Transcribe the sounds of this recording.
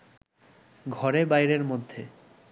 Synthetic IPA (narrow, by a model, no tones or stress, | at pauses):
ɡʱɔɾebajɾeɾmod̪ʱːe